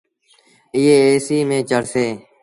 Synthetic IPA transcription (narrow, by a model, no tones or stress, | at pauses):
ɪeːeːsiːmẽːt͡ʃəɽseː